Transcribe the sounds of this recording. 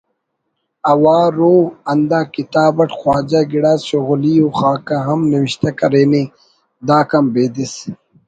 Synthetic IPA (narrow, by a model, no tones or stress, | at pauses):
ɐwaːɾoːɐnd̪ãːkit̪aːbɐʈxwaːd͡ʑaɡiɽaːɕoɣulioxaːkaɦɐmniwiɕt̪ɐkɐɾeːni | d̪aːkɐmbeːd̪is